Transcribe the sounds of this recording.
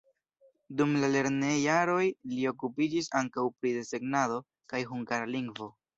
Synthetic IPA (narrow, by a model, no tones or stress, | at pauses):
dumlale̞ɾne̞jaɾo̞jlio̞kupid͡ʒisaŋkawpɾide̞se̞ɡnado̞ | kajɦuŋɡaɾaliŋɡvo̞